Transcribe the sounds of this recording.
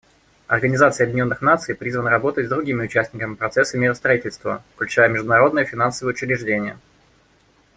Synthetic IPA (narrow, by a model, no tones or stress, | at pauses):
ɐ̰rɡənʲɪzat̪sɨjɐbjʲdʲɪnʲo̞nːɨxnat̪sɨjpɾʲizvənəɾɐbo̞t̪ətʲzd̪ɾʊɡʲimʲɪʊt͡ɕæsʲtʲnʲɪkəmʲɪpɾɐt̪sɛsːəmʲeɾəst̪ɾɐitʲɪlʲst̪və̰fklʲʉt͡ɕæjəmʲɪʐd̪ʊnɐɾo̞d̪nəjəfʲɪnansəvəjəʊt͡ɕɪɾʲɪʐdʲenʲɪjə̰